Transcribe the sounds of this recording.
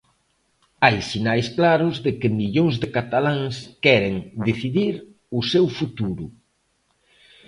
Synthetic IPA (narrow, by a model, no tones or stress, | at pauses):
ajsinajsklaɾʊzðɪkɪmiʎoŋzðɪkat̪alaŋskɛɾeŋd̪eθiðiɾ | ʊsɛwfut̪uɾʊ